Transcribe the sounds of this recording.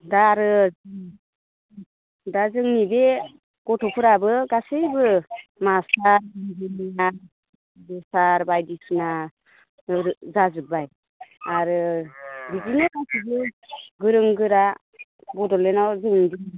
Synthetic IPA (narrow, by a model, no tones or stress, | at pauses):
daɾɯ | dazɯŋnibe | ɡ̥ɔtʰɔpʰɯɾabɯɡasɯjbɯmasaɾbiŋdinina | bɔsaɾbajdisna | ɾzazɯbaj | aɾɯbidinakajsʰibeɡɯɾɯŋɡɯɾa | bɔdɔlenawzɯŋnidi